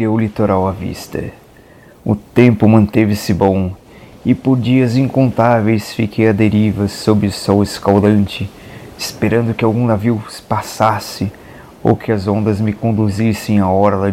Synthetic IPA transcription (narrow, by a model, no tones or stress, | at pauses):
ewʊlit̪oɾawɐvḭst̪ɐ̰ | ʊ̰t̪ẽmpʊmɐ̃nt̪evɪsɪbõw̃ | ɪpoɾd͡ʒiɐzĩŋkõnt̪avejsfikʰejɐd̪eɾivɐsobɪsɔweskawd̪ɐ̃nt͡ʃɪɪspeɾɐ̃nd̪ʊkɪawɡũnaviwspasasɪ | o̰wkɪɐzõnd̪ɐzmɪkõnd̪uzisẽj̃aɔɾɐlɐ